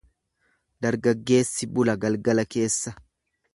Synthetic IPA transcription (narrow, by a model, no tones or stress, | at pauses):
d̪̥ɐɾɡɐɡːe̞ːsːɪbʊlɐɡɐlɡɐlɐke̞ːsːɐ